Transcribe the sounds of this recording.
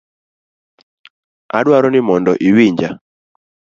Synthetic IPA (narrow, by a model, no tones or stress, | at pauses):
a̰ɗwaɾɔnɪmɔndɔʔiwiɲd͡ʒa